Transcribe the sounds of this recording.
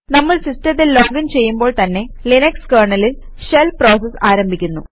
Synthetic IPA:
nɐmːɐɭsistɐt̪ːilloːɡɐnt͡ɕe̞jːumbo̞ːɭt̪ɐnːe̞ | linɐkskɐrɳɐlil | ʂelpro̞ːsɐsaːɾɐmbʱikʲːunːṵ

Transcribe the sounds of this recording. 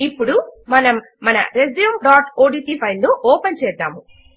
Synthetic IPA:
ipːuɽumɐnɐmːɐnɐ̰ɾezijumɖaːʈoːɖiːʈiːpʰɐjnnoːʔɔːpɐnt͡ʃɛːd̪ːa̰ːmu

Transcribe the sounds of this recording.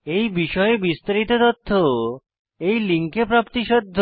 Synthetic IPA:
ejbiʃɔebist̪aɾit̪ot̪ot̪ʰːo | ejliŋkepɾapt̪iʃɔd̪ʱː

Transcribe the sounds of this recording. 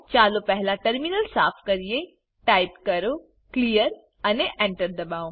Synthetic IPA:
t͡ʃaːlopɛɦlaʈɐɾminəlsaːpʰkɐɾije | ʈaːɪpkɐɾo | klijəɾ | ɐneʔɛ̃ɳʈəɾd̪ɐbaːõ

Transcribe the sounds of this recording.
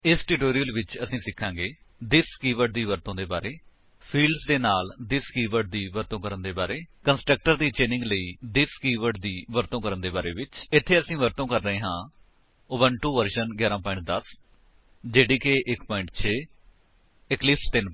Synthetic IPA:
ɪsʈuːʈoːɾijəlʋɪt͡ʃəsĩːsɪkʰːãːŋɡeː | d̪ɪskiːʋəɾɖ̚d̪iːʋəɾt̪õːd̪eːbaːɾeː | pʰiːlɖsd̪eːnaːld̪ɪskiːʋəɾɖ̚d̪iːʋəɾt̪õːkəɾənd̪eːbaːɾeːkənsʈɾək̚ʈəɾd̪iːt͡ʃeːnɪ̃ŋɡləiːd̪ɪskiːʋəɖ̚d̪iːʋəɾt̪õːkəɾənd̪eːbaːɾḛːʋɪt͡ʃɪt̪ʰːeːəsĩːʋəɾt̪õːkəɾːəɦẽːɦãː | oːʋənʈuːʋəɾʃənɡjaːɾãːpɔːɪ̃ɳʈ̚d̪əs | d͡ʒeːɽiːkeːʔɪkpɔːɪ̃ɳʈt͡ʃʰeː | ɪklɪpt̪ɪn

